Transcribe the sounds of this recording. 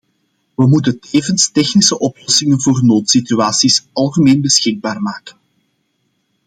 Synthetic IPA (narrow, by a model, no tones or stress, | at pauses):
ʋəmutənteːvənstɛxnisəʔɔplɔsɪŋənvoːrnoːtsityaːsisɑlˠɣəmeːnbəsxɪɡ̚baːrmaːkən